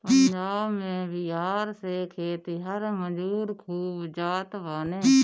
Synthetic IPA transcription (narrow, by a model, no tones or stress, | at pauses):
pənd͡ʒaːʋmẽːʋɪɦaːɾseːkʰeːt̪iɦəɾməd͡ʒuːɾkʰuːbd͡ʒaːt̪ʋaːneː